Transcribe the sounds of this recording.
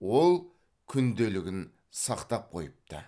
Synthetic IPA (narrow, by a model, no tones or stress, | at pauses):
wo̞lˠ | kʲʰʏnd̪elɪɡʲɪn | sɑqt̪ɑp̚qʰo̞̰jəp̚t̪ə̰